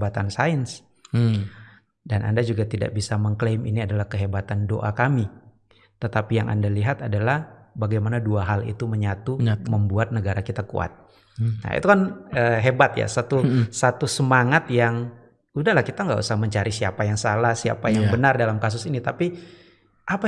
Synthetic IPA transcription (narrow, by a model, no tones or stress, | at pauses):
bat̪ansaəns | danʔa̰ndad͡ʒuɡat̪ida̰ʔbisaməŋklemḭniadalahkəɦebat̪ando̰ʔakami | t̪ət̪apijaŋʔa̰ndaliɦat̪adalahbaɡajmanaduaɦalḭt̪uməɲat̪uməmbuat̪̚nəɡaɾakit̪akṵa̰t̪̚ | na̰ḭt̪ukanəɦebat̪ja̰sat̪usat̪usəmaŋat̪jaŋ | udahlahkit̪aŋɡa̰ʔṵsahməɲt͡ʃaɾisiapajaŋsalahsia̰pajaŋbənardalamkas̬ʊsinit̪api | ʔapa